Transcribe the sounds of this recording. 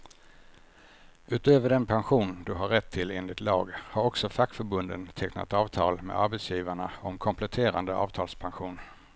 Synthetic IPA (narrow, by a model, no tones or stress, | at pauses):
ʉ̟ːt̪øːvəɖɛnpʰanɧuːnd̪ɵɦaɾːɛt̪ʰːɪleːnlɪt̪lɑ̰ːɡhaɾɔksɔfakːfœɾbɵnd̪ənt̪ʰɛkna̰t̪ɑːvt̪ʰɑ̰ːlmḛd̪aɾbɛt̪sjiːvaɳaɔmkʰɔmpʰlɛt̪ʰeːɾand̪əʔɑ̰ːvt̪ʰɑːlspʰanɧuːn